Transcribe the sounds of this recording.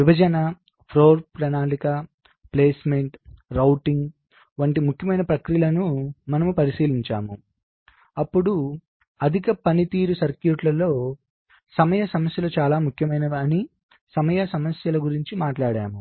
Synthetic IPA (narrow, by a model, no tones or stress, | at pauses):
ʋibʱɐd͡ʒɐnɐ | pʰɾoːɾpɾɐnaːlikaː | ple̞ːsmeɳʈɾɐwʈiŋɡ | ʋɐɳʈimukʰjɐmɐjnɐpɾɐkɾijɐlɐnumɐnɐmupɐɾisiːliɲt͡ʃa̰ːmu | ɐpːuɽu | ɐd̪ʱikɐpɐnit̪iːɾusɐɾkjuʈlɐlo̞ː | sɐmɐjɐsɐmɐsjɐlɐt͡ʃaːlaːmukʰjɐmɐjnɐɐni | sɐmɐjɐsɐmɐsjɐlɐɡuɾiɲt͡ʃimaːʈlaːɽaːmu